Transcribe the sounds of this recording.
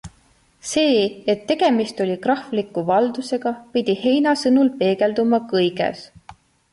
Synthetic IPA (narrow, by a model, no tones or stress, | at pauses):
se̞ːet̪ːe̞ɡ̥e̞mist̪olʲikrɑhflikːˑuvɑld̪̥use̞ɡ̥ɑpid̪̥ʲihe̞jnɑsɤnulpe̞ːɡe̞ld̪umɑkɤjɡe̞̰s